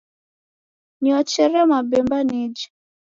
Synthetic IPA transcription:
niɔt͡ʃɛɾɛmabɛmbanid͡ʒi

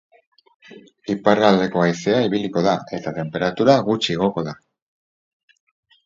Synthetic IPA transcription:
iparald̪e̞ko̞ajse̞aiβ̞iliko̞ðae̞t̪at̪e̞mpe̞ɾat̪uɾaɣut͡ʃieɣ̞o̞ko̞ða

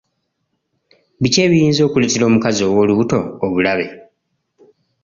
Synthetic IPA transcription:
βice̞ːβijiːnzo̞ːkuletilo̞ːmukazio̞ːwo̞ːluβuto̞ːβulaβe̞

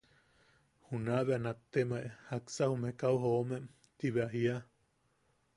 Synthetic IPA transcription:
hunaβeanat̪ːemaʔehaksahumekauɦoomem | t̪iβeaɦia

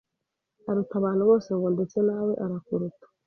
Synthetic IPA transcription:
aɾutaβaːn̥huβo̞ːseβoːndet͡senawe̞ʔaɾakuɾutḁ

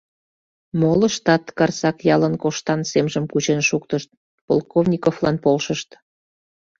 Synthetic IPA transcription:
moləʃt̪ɑt̪kɑrsɑkjɑlənkoʃt̪ɑnsemʒəmkut͡ɕenʃukt̪əʃt̪̚ | po̰lˠkovnʲikoflɑnpolʃəʃt̪

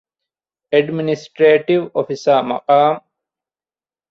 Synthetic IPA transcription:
eɖminisʈɾeːʈiʋofisaːmɐ̰qaːm

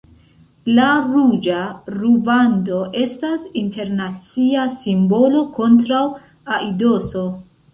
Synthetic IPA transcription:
laɾud͡ʒaɾubando̞ʔe̞stasinte̞ɾnat͡siasimbo̞lo̞ko̞ntɾaw | aʔido̞so̞

